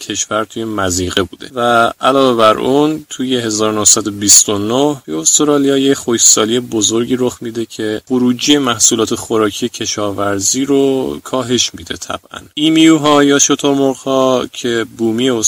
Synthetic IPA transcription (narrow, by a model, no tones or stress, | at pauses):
cʰe̞ʃvæɾt̪ʰuje̞mæziːɣe̞buːd̪e̞̰væʔælɒːve̞bæɾʔunt̪ʰuje̞ɦe̞zɒːɾonohsæd̪o̞bist̪onohbeost̪oɾɒːlijɒːje̞cχo̞çsɒːlije̞bozo̞ɾɟiːɾoxmiːd̪e̞cʰe̞χoɾuːd͡ʒije̞mæhsuːlɒːt̪ʰe̞xo̞ɾɒːcʰije̞cʰe̞ʃɒːvæɾziːɾokʰɒːɦe̞ʃmid̪e̞̰t̪ʰæ̰b̥ʔæ̰niːmiuɦɒːjɒːʃo̞t̪ʰo̞ɾmoʁhɒːcʰe̞buːmiːjeo